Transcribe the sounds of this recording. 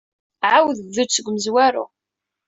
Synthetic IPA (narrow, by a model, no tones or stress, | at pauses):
ʕawðəvðut͡sːəɡʷməzwæɾṵ